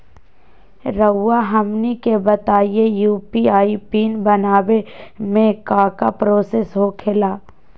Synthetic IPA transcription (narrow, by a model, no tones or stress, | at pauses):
ɾəːaɦɐmnikebət̪aːijejuːpiaːipiːnbɐnaːbemẽkaːkapɾoːseːsɦoːkʰelaː